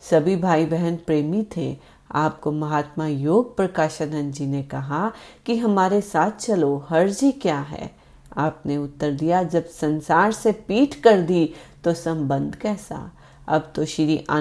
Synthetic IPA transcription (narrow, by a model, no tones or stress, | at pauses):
sɐbʱibʱaːibɛɦɛnpɾeːmit̪ʰḛ | aːp̚komɐɦaːt̪majoːɡ̚pɾɐkaːʃənɐ̃nd͡ʒinekɐɦakiɦɐmaːɾesaːt̪ʰt͡ʃɐloɦɐɾd͡ʒikjaːɦɛ̰ː | aːpneʊt̪ːəɾd̪ijad͡ʒɐbsɐ̃nsaːɾsepiːʈkɐɾd̪it̪osɐ̃mbə̃nd̪ʱkɛːsa̰ | ɐ̰bt̪oʃɪɾiʔa̰ː